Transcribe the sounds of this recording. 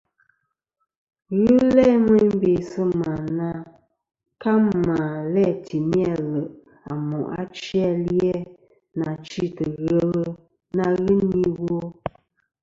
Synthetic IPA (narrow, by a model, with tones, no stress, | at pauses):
ɣɨ˦lɛ˦mə˦m˦be˨sə˦ma˨na˦ | ka˦ma˨lɛ˦˨tʰi˨mi˦a˦˨lə˨ʔ | a̰˨mɔ˨ʔa̰˦t͡ʃi˦a˦ljɛ˦ | na˨t͡ʃi˦˨tə˨ɣə˦ɣə˦ | na˦ɣɨ˦ni˦wo˦